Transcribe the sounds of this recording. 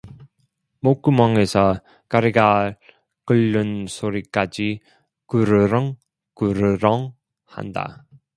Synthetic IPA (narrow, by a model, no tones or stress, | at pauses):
mok͈ɯmʌŋesʰʌ | kaɾiɡa | kɯɭːɯnsʰoɾik͈ad͡ʑi | kɯɾɯɾʌŋ | kɯɾɯɾʌŋ | ha̰nda̰